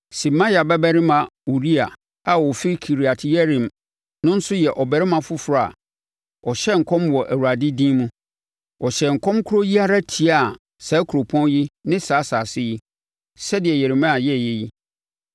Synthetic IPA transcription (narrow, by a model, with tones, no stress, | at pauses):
sĩ˨mã˦ja˨bɛ˦bæ˦ɾɪ˦mã˨u˨ɾi˦a˨ | a˨wɔ˨fi˦kʰi˨ɾi˨a˨tʰɪ˦jɛ˦ɾĩ˨m | nʊ̃˦n̩˦sʊ˦jɛ˨ʔɔ˨bæ˨ɾɪ˦mã˨fʊ˦fʊ˨ɾa˦˨a̰˨ | ɔ˨ɕɛ˦ŋ̩˨kʰɔ̃˦mwɔ˨ʔæ˨wu˨a˨dɪ˦dĩː˦mũ˦ | ɔ˨ɕɛ˨ŋ̩˨kʰɔ̃˦mkʰʊ˦ɾo˦ji˦a˦ɾa˦tʰi˨a˦˨ | sa˨˦kʰu˨ɾo˨pʰɔ̃˦njɪ˦nɪ̃˦saː˨˦saː˨sɪ˦ji˦ | sɛ˦dɪ˨ɛ˨jɛ˨ɾɪ˨mã˦a˨jɛ˦˨jɛ˦ji˦